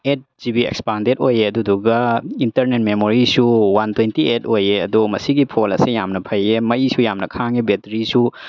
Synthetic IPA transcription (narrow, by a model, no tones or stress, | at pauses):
et̚d͡ʒibiḛkspandetojeɐduduɡɐintɐɾnet̚memoɾisuwantʰwentietojeɐdumɐsiɡipʰolɐ̰sijamnɐpʰɐjemɐjsujamnɐkʰaŋibetɾisu